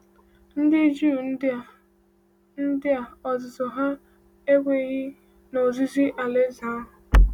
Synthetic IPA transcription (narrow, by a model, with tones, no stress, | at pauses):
n̩˦dɪ˦d͡ʒu˦˨n̩˦˨ | n̩˦dɪ˦a˨ɔ˨zʊ˨zʊ˨ɦa˦ | e˦ɡʷe˨˦ɣɪ˦ | no˨zi˦zi˦ʔa˨le˦za˦˨